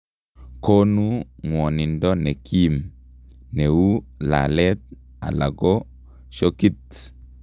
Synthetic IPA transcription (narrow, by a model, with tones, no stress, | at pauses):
ko˦nu˦ŋwɔ˨ni˨ndɔ˦nɛ˨kʰi˦m | ne˨wu˦la̰˨lɛ˦t̪̚ | a̰˨la̰˨ɡɔ˦ | ʃo˦ki˦t